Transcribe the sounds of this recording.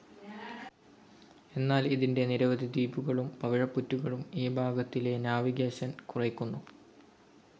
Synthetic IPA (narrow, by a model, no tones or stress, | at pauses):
e̞nːaːliðinde̞niɾɐʋɐd̪ʱid̪iːbuɣɐɭumpɐʋɐɻɐpːutːuɣɐɭumeːbʱaːɡɐt̪ːile̞njaːʋiɣeːɕɐnkurɐjkʲːunːu